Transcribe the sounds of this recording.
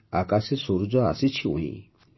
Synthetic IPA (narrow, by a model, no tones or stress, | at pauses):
akasesoɾud͡zɔa̰sit͡ʃʰiṵ̃ḭ̃